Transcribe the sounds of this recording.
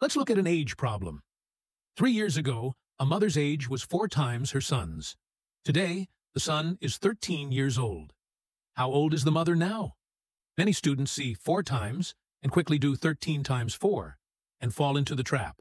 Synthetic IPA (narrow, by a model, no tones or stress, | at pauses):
lətslʊkɨɾɨ̃neɪd̥ʒ̥pʰɹ̥ɑblə̰̃m | θɹijɪɹzɨɡoʊ | əmʌðə˞zeɪd͡ʒwʌz̥fɔɹtʰãɪ̃mz̥hə˞sʌ̃nz̥ | tʰɨdeɪ | ðɨsʌ̃nɨz̥θɜ˞tʰĩnjɪɹzoʊlˠd̥̚ | haʊoʊlˠdɨzðəmʌðə˞naʊ | mɛɾ̃istʉdⁿn̩tsifɔɹtʰãɪ̃mz̥ | ɨ̃nkʰw̥ɪklidɨθɜ˞tʰĩntʰãɪ̃mz̥fɔɹ | ɨ̃nfɔlˠɪ̃ntʉðɨtʰɹ̥æ̰p̚